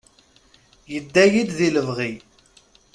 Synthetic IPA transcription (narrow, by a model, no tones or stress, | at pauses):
jəd̪ːæjid̪ðiləvʁi